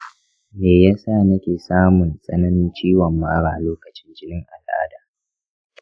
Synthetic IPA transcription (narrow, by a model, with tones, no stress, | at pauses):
meː˨ja˦sa˦˨nɐ˦kʲeː˨saː˦mʊ˨nsʼɐ˦nɐ˦nɪ˦nt͡ʃiː˦wɐ˨mːaː˦ɽaː˨loː˦kɐ˨t͡ʃɪ˦nd͡ʒɪ˦nɪ˦ŋʔa˨lʔa̰ː˦daː˨